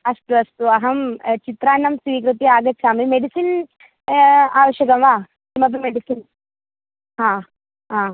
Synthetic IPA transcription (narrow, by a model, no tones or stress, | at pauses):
ɐsʈuɐst̪uɐɦɐmt͡ʃit̪ɾaːnːɐmsʋiːkɾut̪iaːɡɐt̪ːsʰaːmimeɖisin | aːʋɐʃjɐkɐmʋaː | kimɐp̪̬umeɖisin | hãː | ɦãː